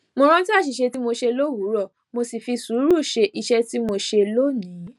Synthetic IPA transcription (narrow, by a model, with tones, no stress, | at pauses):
mõ˧˦ɾ̃ã˦ti˦a˦˨ʃi˨ʃe˧ti˦mo˧ʃe˧lo˦wu˨˦ɾɔ˦˨ | mo˧si˨fi˧su˨˦ɾu˦˨ʃe˧ʔi˧ʃɛ˦ti˦mo˧ʃe˧lo˦nĩ˨˦